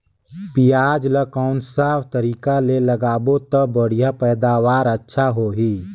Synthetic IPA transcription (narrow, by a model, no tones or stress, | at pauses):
pijaːd͡ʒləkaʊnsaːpʰt̪əɾiːkaleləɡaːbot̪əbəɽ̤ijapɛːd̪aːʋaːɾətːʃʰaɦoɦiː